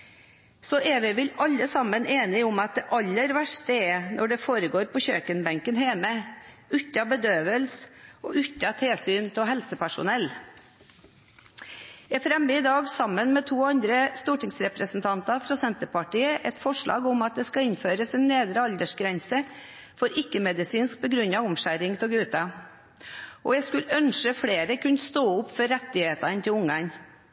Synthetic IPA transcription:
sɔʔɛʋɪʋɪlɑlːəsɑmːəneːnɪʊmɑt̪̚d̪ɛʔɑlːəɾʋæʂʈəɛnʔɔɖɛfoːɾəɡoːɾpɔçøːkənbɛŋkənheːmə | ʉt̪ːɑbəd̪øːʋəlsɔʔʉt̪ːɑt̪ʰeːsyːnt̪ʰɪɦɛlsəpæʂʊ̰nɛlː | ɛfɾɛməɪd̪ɑːɡsɑmːənmɛt̪ʰuːɑnd̪ɾəst̪uːʈɪŋsɾɛpɾəsnt̪ʰɑnt̪ɑfɾɔsɛnt̪əpɑʈiːəʔɛt̪fɔʂɭɑ̰ːɡʊmɑt̪̚d̪ɛskɑɪnføːɾəsɛnːeːd̪ɾəɑld̪əʂɡɾɛnsə | fɔɾɪkːəmɛd̪ɪsiːnsk̚pʰɔɡɾʉnːɑʋʊmʃæɾɪŋt̪ʰɔɡʉːt̪ɑ | ɔjæɪskʉlœnʃəfɽeːɾəkʉnst̪oːʊpːfɔɾːɛt̪ːɪheːt̪ɑnt̪ʰɪlʊŋɡɑŋ

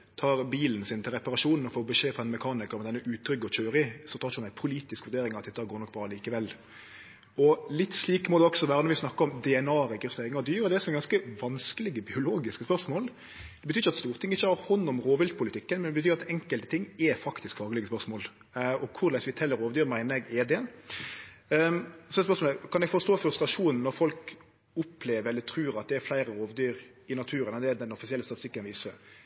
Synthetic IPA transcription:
t̪ʰɑːɾbiːln̩sɪnt̪ʰɪlʁɛpɑɾɑʂuːnn̩ɔfoːbəʂeːpfɔʁd̪ɛnmɛkʰɑːnɪkəɾmɛd̪ɛnːəʔʉːt̪ʰːɾʏɡːɔc͡çøːɾɪsɔt̪ʰɑːɾunæɪpʰʊliːt̪ɪskʋʉɾd̪eːɾɪŋɑɑt̪d̪ɛt̪ːɑɡoːɾnɔk̚ːbɾɑːliːkəʋɛlː | ɔlɪt̪ːsliːkmɔd̪ɛɔksɔʋæːɾənɔɾʋɪsnɑkːəɾɔmd̪ɛɛnɑːɾɛɡɪsɛːŋɑd̪yːɾɔd̪ɛsɔmɛɡɑnskəʋɑnskəlɪɡəbɪʊloːɡɪskəspœɾsmoːl | d̪ɛbət̪yːɾçəɑt̪st̪uːɾt̪ʰɪŋːɪçːəhɑɾhɔnːʊmɾoːʋɪlt̪̚pʰʊlɪt̪ʰɪkːənmɛnɛbət̪ʰyːɾɑt̪ʰɛŋkəlt̪ət̪ʰɪŋːɛfɑkt̪ɪskfɑːɡlɪɡəspœɾsmoːl | ɔkʰʊɾlæɪsʋɪt̪ʰɛlːəɾoːʋd̪yːɾmæɪnəɾɛɡeːd̪ɛn | sɔɛspœɾsmolɛkʰɑnɛɡfɔɾst̪oːfɾʉst̪ɾɑʂuːnn̩ːɔɾfɔlk | ʊpʰleːʋəɾɛlːəɾt̪ʰɾʉːɾɑt̪̚d̪ɛæɾflæɪɾəɾoːʋd̪yːɾ | ɪnɑt̪ʰʉːɾənɑd̪ɛd̪ɛnɔfɪsɪɛlːəst̪ɑt̪ɪst̪ɪkːənʋiːsəɾ

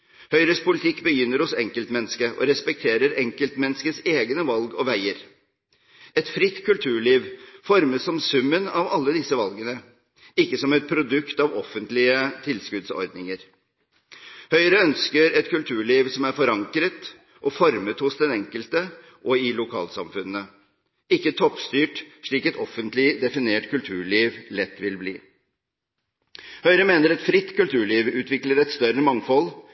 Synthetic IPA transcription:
hœʏɾəspʰʊlɪt̪ʰɪkːbəjʏnːəɾhʊsɛŋkəlt̪mɛnːəskəʔɔ̰ɾɛspɛk̚t̪ʰeːɾəɾɛŋkəlt̪mɛnːəskəseːɡənəʋɑlɡɔʋæɪəɾ | ʔɛt̪fɾɪt̪ːkʰʉlt̪ʰʉːɭiːʋfɔɾməsɔmsʉmːənɑʋɑlːəd̪ɪsəʋɑlɡənə | ɪkːəsɔmɛt̪̚pʰɾʊd̪ʉkt̪ɑʋɔfːənt̪lɪət̪ʰɪlskʉd̪sɔ̰ɾd̪nɪŋəɾ | hœʏɾəœnskəɾɛt̪kʰʉlt̪ʰʉːɭiːʋsɔmæɾfɔɾɑŋkɾət̪ | ʔɔfɔɾmət̪hʊsd̪ɛnɛŋkəlt̪ə | ʔɔɪlʊkʰɑ̰ːlsɑmfʉnːə | ɪkːət̪ʰɔpːst̪yːʈʂɭiːkɛt̪ɔfənt̪lɪd̪ɛfɪneːʈkʰʉlt̪ʰʉːɭiːʋlɛt̪ːʋɪlbliː | hœʏɾəmeːnəɾɛt̪fɾɪt̪ːkʉlt̪ʰʉːɭiːʋʉːt̪ʰʋɪkləɾɛt̪st̪œɾəmɑŋfɔl

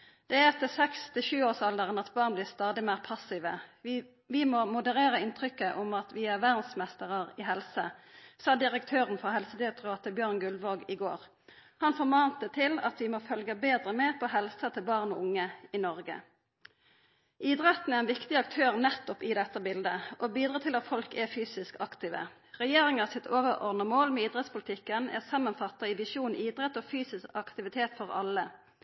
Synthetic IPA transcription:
d̪̥ɛæɛt̪əsɛkst̪ʰɪʃʉːoːsɑld̪əʁənɑt̪bɑːʁnbliːʁst̪ɑːd̪ɪmæːʁpʰɑsɪʋə̰ | ʋɪmɔmʊd̪əʁeːɾəɪnt̪ʰʁʏkːəʔʊmɑt̪ʋɪæʁʋæʁd̪n̩smɛst̪əʁəʁɪɦɛlsəsɑːd̪ɪʁək̚t̪ʰøːʁənfɔʁɦɛlsəd̪ɪɑt̪ʁɑːt̪əbjøːʁnɡʉlʋoɡɪɡo̰ːʁ | hɑnfɔʁmɑːnt̪ət̪ʰɪlɑ̰t̪ʋɪmɔːfœlɡəbeːd̪ʁəmeːʁpʰɔɦɛlsət̪ʰɪlbɑːʁnɔʊŋːəɪnɔʁɡə̰ | ʔiːd̪ʁɛt̪n̩ɛæʁɛnʋɪkt̪ɪɑk̚t̪ʰøːʁnɛt̪ːɔpɪd̪ɛt̪ːəbɪld̪əʔobiːd̪ɾʁɑːt̪ʰɪlɑt̪fɔlkɛfyːsɪskɑkt̪iːʋə̰ | ʁɛjeːʁɪŋɑsɪt̪ʰoːʋəʁɔ̰ʁd̪nəmoːlmɛiːd̪ʁɛt̪spʊlɪt̪ʰɪkːənæ̰ʁsɑmːɑnfɑt̪ːɑɪʋɪʃuːniːd̪ʁɛt̪ːoːfyːsɪskɑkt̪ɪʋɪt̪ʰeːt̪fɔʁɑ̰lːə

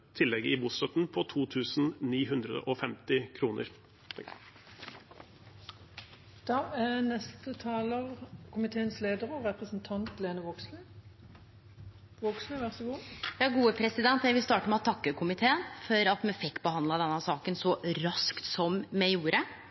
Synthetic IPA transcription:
t̪ʰɪlːɛɡəɪbuːst̪œt̪n̩pʰɔt̪ʰuːt̪ʰʉːsn̩niːɦʉnd̪ɾəd̪ə̰ʔɔfɛmt̪ɪkʰɾuːnə̰ɾ | d̪̥ɑːænɛst̪ət̪ʰɑːləʁkʰʊmɪt̪ʰeːənsleːd̪əʁəʁɛpʁəsnt̪ʰɑnt̪leːnəʋoksl | ʋɔksnəʋæʁsəɡuːjɑːɡuːəpʰɾɛsɪd̪ɛnt̪jæɪʋɪlst̪ɑːʈəmɛɛt̪ʰːɑkːəkʰʊmɪt̪ʰeːənfɔɾɑt̪mɛfɪkːbəhɑnd̪lɑd̪ɛnːɑsɑːkənsɔɾɑskt̪sɔmmɛjuːɾə

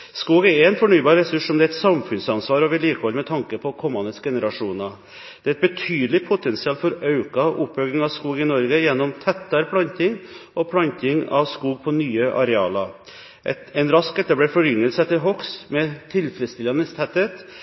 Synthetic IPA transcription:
skuːɡæɾɛɾɛnfɔɳyːbɑːɾɛsʉʂsɔmd̪ɛæɛt̪sɑmfʉnsɑnsʋɑːɾɔʋɪliːkʋɔlmɛt̪ʰɑŋkəpʰɔkʰɔmɑnəsɡɛnəɾɑʂuːnɑ | d̪̥ɛæɾɛt̪̚bət̪ʰyːd̪l̩ɪpʰʊt̪ʰɛnsɪɑːlfɔɾɑʉkɑʔʊpːœʏɡɪŋɑʋskuːɡɪnɔɾɡəjɛnːɔmt̪ʰɛt̪ːɑɾpʰlɑnt̪ɪŋʔɔpʰlɑnt̪ɪŋɑ̰ʋskuːɡ̚pʰɔnyːəʔɑ̰ɾɛɑ̰ːlɑ | ɛnɾɑskɛt̪ːəblɛːfɔɾʏnːəlsəɛt̪ːəɾɦɔksmɛt̪ʰɪlfɾɛd̪st̪ɪlɑnəst̪ʰɛt̪ːət̪

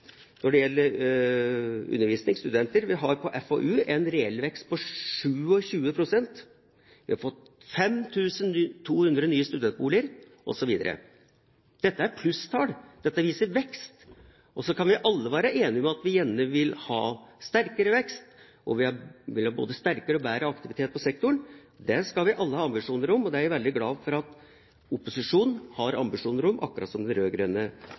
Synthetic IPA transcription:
nɔɖɛjɛlːəɾ | ʉ̰nːəɾʋiːsnɪŋst̪ʉd̪ɛnt̪əɾʋɪɦɑɾpʰɔʔɛfo̰ʔʉːʔɛnɾɛɛlʋɛkst̪̚pʰɔʂʉːɔɕʉːəpʰɾʊsɛnt̪ | ʋɪhɑɾfɔt̪ː | fɛmt̪ʰʉːsənt̪ʰuːhʉnd̪ɾənyːəst̪ʉd̪ɛnt̪̚buːlɪəɾ | ʔɔ̰sɔʋiːd̪ə̰ɾə̰ | d̪̥ɛt̪ːəæɾpʰlʉst̪ʰɑːɽd̪̥ɛt̪ːəʋiːsəɾʋɛkst̪ | ʔɔsɔkʰɑnʋɪʔɑlːəʋæːɾəʔeːnɪmɛɑt̪ʋɪjɛnːəʋɪlhɑ̰ːst̪æɾkəɾəʋɛkst̪ | ʔɔʋɪhɑʋɪlhɑːbo̰ːd̪əst̪æɾkəɾəɔbæːɾəɑkt̪ɪʋɪt̪ʰeːt̪̚pɔsɛk̚t̪ʊɳ | d̪ɛskɑlʋɪʔɑlːəhɑːɑmbɪʂuːnəɾʊmːɔd̪ɛæɾʋɛld̪ɪɡlɑːʋfɔɾɑt̪ | ʊpʊsɪʂuːnnhɑɾɑ̰mbɪʂuːnəɾʊmʔɑ̰kːɾɑ̰ːt̪sɔmd̪ɛnɾøːɡɾœːnə

